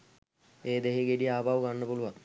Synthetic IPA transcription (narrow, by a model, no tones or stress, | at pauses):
eːd̪eɦiɡeɖiaːbʱaʋuɡanːəpuluʋaŋ